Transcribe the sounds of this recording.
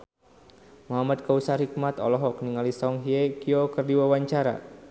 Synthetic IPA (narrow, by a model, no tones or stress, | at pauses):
muɦamat̪̚kausahik̚mat̪ɔ̰lɔɦɔkniŋalisɔŋɦiekiokɨrdiwawaɲt͡ʃaɾa̰